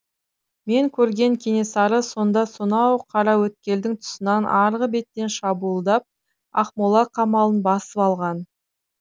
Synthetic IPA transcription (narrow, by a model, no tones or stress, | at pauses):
me̞ŋkʲʰɵɾɡʲe̞ŋkʲʰene̞sɑɾəso̞nd̪ɑsonɑwqʰɑɾɑwɵt̪̚kʲe̞ld̪ɪŋt̪ʰʊ̥sənɑnʔɑɾʁəbe̞t̪ːe̞nʃɑbuəlˠd̪ɑp̚ | ɑ̰χmolˠɑqʰɑmɑlˠənbɑsəpɑlˠʁɑn